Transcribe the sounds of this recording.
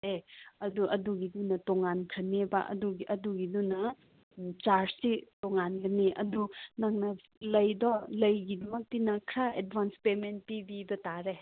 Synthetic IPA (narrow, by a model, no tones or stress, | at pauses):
eɐduʔɐduɡidunɐtoŋankʰɐneba̰ʔɐ̰duɡiʔɐduɡidunɐ | t͡ʃaɾsitoŋanɡɐneʔɐ̰dunaŋnɐ | lɐjdɔlɐjɡidɐmɐk̚tinɐkʰɾaed̚bʱanspemenpibidɐtaɾe